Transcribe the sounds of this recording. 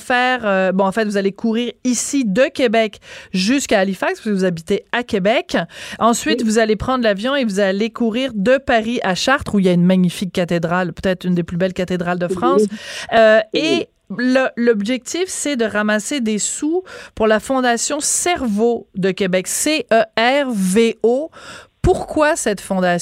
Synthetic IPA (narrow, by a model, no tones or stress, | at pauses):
fɛːʁøbɔ̃ɑ̃fɛt̪vuzalekʰuʁiːʁisid̪əkʲebɛkʒyskaːlifakspiskəvuzabit̪eakʲebɛkɑ̃sɥit̪vuzalepχɑ̃d̪ʁlavjɔ̃evuzalekʰuʁiːʁd̪əpaʁiʔaʃaʁt̪χuiljaynmaɲifikːat̪ed̪ʁalpøt̪ɛt̪χynd̪eplybɛlkat̪ed̪ʁald̪əfχɑ̃ːsøe | llɔbʒɛk̚t̪ifsɛd̪əʁamased̪esupuʁlafɔ̃d̪asjɔ̃sɛʁvod̪əkʲebɛkseʔøɛʁveopuʁkwasɛt̪fɔ̃d̪a